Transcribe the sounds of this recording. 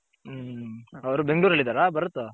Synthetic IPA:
ɐʋɐɾubeŋɡɭuːɾɐlːid̪aːɾabɐɾɔt̪ːo

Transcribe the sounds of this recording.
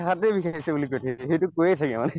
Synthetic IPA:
ɦat̪ebixaisɛbulikojtʰaɛxetukojetʰakɛmanɛ

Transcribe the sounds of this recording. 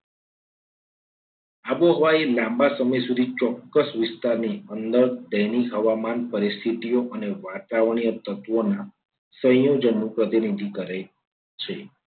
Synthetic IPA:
aboɦəʋaelãmbasəməjsud̪ʱit͡ʃɔkːəsʋɪst̪aɾniənd̪əɾd̪əjniɦəʋamanpəɾist̪ʰit̪ijoʔəneʋat̪aʋɳ̃ijət̪ət̪ʋona | sə̃jjod͡ʒənːũpɾət̪inid̪ʱikəɾe | t͡ʃʰe

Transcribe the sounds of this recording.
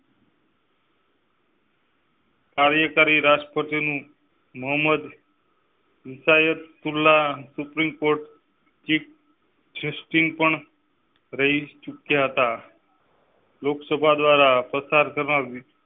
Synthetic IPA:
kaɾjəkaɾiɾaspət̪inũ | məɦməd̪ | ʋɪsajət̪ːulːasupɾimkoɾʈ | t͡ʃik̚ | ʈʰesʈiŋɡ̚pəɳ | ɾəɦit͡ʃukjaɦət̪a | loksəbʱad̪ʋaɾapɾəsaɾkəɾna

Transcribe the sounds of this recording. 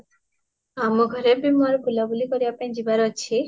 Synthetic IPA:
amoɡʱɔɾebimaɾbulabulikoɾibaped͡ʑibaɾot͡ɕʰi

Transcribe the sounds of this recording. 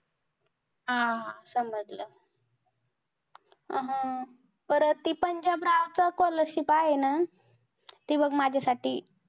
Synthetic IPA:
ɦasəməd͡zlə | ɦã | pəɾt̪iːpəɲd͡ʑabɾawt͡sakɔləɾɕipaɦena | t̪iːbəɡmad͡ʑʱasaʈiː

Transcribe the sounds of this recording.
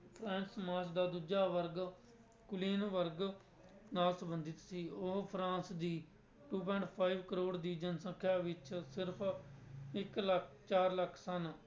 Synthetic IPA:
pʰɾɛ̃ːnsmaːsd̪aːd̪uːd͡ʒaːʋəɾɡ | kʊliːnʋəɾɡ | naːlsəbənd̪ɪt̪siːʊɦpʰɾãːnsd̪iː | ʈuːp̬ɛ̃ːɳʈpʰaːiʋkəɾoːɽd̪iːd͡ʒənsə̃kʰːjaːʋɪt͡ʃsɪɾpʰ | ɪkləkʰ | t͡ʃaːɾləkʰːsən

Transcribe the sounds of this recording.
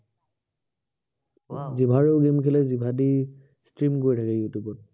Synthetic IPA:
zibʱaɹeʊɡemkʰɛlɛzibʱadi | stɹimkoɹitʰakɛjutjubɔt̚

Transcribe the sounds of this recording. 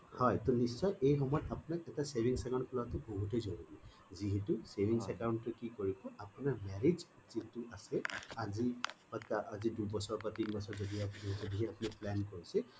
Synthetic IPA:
hɔjtɔnisːɔjʔejxɔmɔjɔtapunakɛtasebʱiŋsaɡɔnplatʊboɦutejzoɹubi | ziɦɛtusebʱiŋsɛkaʊntʊkikoɹikɔapunaɹmɛɹizutituasɛazi | atʰkaʔazidubɔsɔɹbatinbɔsɔɹzodiazodiɦɛapuniplɛnkoɹisɛ

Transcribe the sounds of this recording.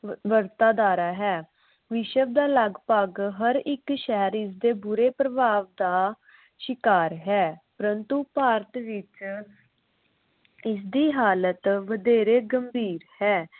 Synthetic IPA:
ʋəɾt̪aːd̪aːɾaːɦɛː | ʋɪʃəb̚d̪aːləɡpaːɡɦəɾɪkʃɛɦəɾɪs̬d̪eːbʊɾeːpɾəbʱaːʋd̪aː | ʃɪkaːɾɦɛːpəɾənt̪uːpaːɾət̪ʋɪt͡ʃ | ɪs̬d̪iːɦaːlət̪ʋəd̪eːɾeːɡəmbʱiːɾhɛː

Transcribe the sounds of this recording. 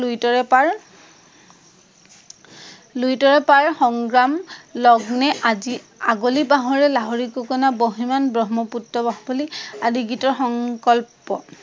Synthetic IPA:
lujtɔɹɛaɹ | lujtɔɹɛpaɹxɔŋɡɹamlɔɡnɛʔazi | aɡolibaɦɔɹɛlaɦɔɹikɔkɔnaboɦimanbɹɔɦmɔputːɔbaɦbɔliadiɡitɔɹxɔŋkɔlpɔ

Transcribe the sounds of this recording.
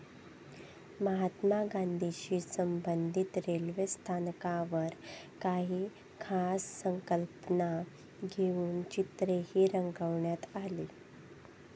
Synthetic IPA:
məɦat̪maɡand̪ʱiɕiːsəmbənd̪ʱit̪ɾelʋest̪ʰankaʋəɾ | kaɦiː | kʰasːəŋkəlpəna | ɡʱeuːnt͡ɕit̪ɾeɦhiːɾəŋɡəʋɳjat̪aliː

